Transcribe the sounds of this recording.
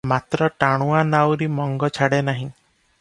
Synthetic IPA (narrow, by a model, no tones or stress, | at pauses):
mat̪ɾɔʈaɽ̃ũanawɾimɔŋɡɔt͡ʃʰaɽenaɦĩ